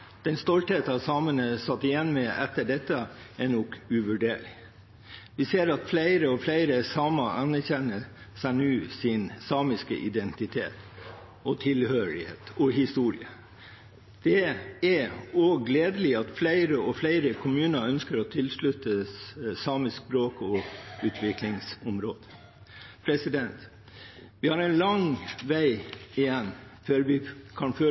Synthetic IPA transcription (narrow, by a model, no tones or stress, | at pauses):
d̪̥ɛnst̪ɔlt̪het̪ɑʋsɑːmənəsɑt̪ːɪjɛnːmɛʔɛt̪ːəɖɛt̪ːəɛnɔkʉʋʉɖeːɭɪ | ʋɪseːɾɑt̪flæɪɾəɔflæɪɾəsɑːməʔɑnæɾçɛnːə | sænʉːsɪnsɑːmɪskə̰ʔɪd̪ɛnt̪ɪt̪ʰḛːt̪ | ɔt̪ʰɪlhøːɭɪhḛːt̪ɔɦɪst̪uːɾɪ̰ə | d̪̥ɛɛɔːɡleːd̪əlɪɑt̪flæɪɾəɔflæɪɾəkʰʊmʉːnəœnskəɾɔt̪ʰɪlslʉt̪əsɑːmɪsk̚bɾoːkɔʉːt̪ʰʋɪklɪŋsɔmɾoːd̪ | pʰɾɛsɪd̪ɛnt̪ | ʋɪhɑɾɛɪnlɑŋʋæɪɪjɛnːføːɾʋɪkʰɑnfø